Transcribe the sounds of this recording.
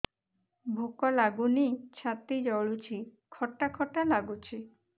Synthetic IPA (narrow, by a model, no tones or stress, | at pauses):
bʱokɔlaɡunit͡ʃʰat̪id͡ʒɔɭut͡ʃʰi | kʰɔʈakʰɔʈalaɡut͡ʃʰi